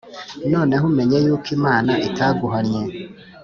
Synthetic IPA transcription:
noːneɦumeɲejuːkimaːnaʔitaɡuɦanje

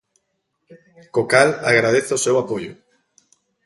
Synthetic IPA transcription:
kokalaɣɾað̞eθaʊsewapoʎʊ̰

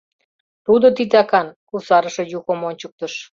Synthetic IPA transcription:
t̪ud̪ot̪it̪ɑkɑnkusɑɾəʃĕjuɣəmonʲt͡ɕək̚t̪ə̆ʃ

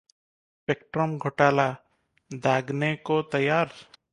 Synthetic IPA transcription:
pek̚ʈɾəmɡʱɔʈaːla | d̪ʱaːɡnekot̪ɐjaːɾ

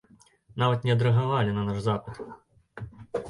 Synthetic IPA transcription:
navɐt̪nʲɛɐd̪ɾɐɦaʋalʲɪnɐnaʐzapɨt̪

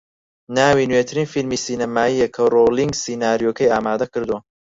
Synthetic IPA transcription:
naːwiːnwet̪ʰɨɾiːnfilmiːsiːnɐmaːijekʰɐroliŋɡsiːnaːɾijoːkʰɐjaːmaːd̪ɐkɨɾd̪uwɐ

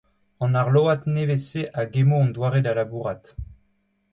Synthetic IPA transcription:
ɑ̃naʁloat̪neveseʔaɡemoɑ̃nd̪waʁed̪alabuʁat̪

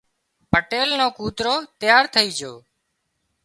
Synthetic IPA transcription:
pəʈeːlnõːkuːt̪ɾoːt̪ɪjaːɾt̪ʰəiːd͡ʒoː

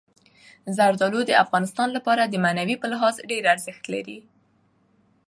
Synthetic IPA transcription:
zaɾd̪ɑlod̪əafɣɑnɪst̪ɑnlapɑɾad̪əmanawipəlɪɦɑzɖeɾaɾzɪxt̪la̰ɾi

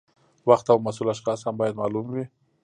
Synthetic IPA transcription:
waxt̪awmasulaʃxɑshambɑjad̪mɑlumwi

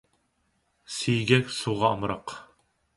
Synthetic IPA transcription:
sijɡʲɛkʲsuʁɑːmɾɑq

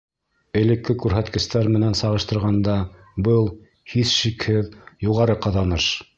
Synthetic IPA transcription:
ɘ̆lɘ̆kːɘkʉɾɦæt̪kɘ̆st̪æɾmɘ̆nænsɑʁɤ̆ʃt̪ɤ̆ɾʁɑnd̪ɑ | bɤlˠ | hiθʃikhɘðjuʁɑɾɤqɑðɑnɤʃ

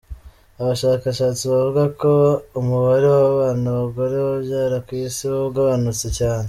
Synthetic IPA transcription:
aβaʃaːkaʃaːt͡siβavuɡako̞umuβaɾewaaβaːnuβaɡo̞ɾe̞woβjaːɾakwiːsiwoβɡaβanut͡secaːne

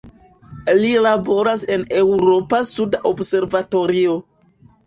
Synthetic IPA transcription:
lilabo̞ɾase̞ne̞wɾo̞pasudaʔobse̞ɾvato̞ɾio̞

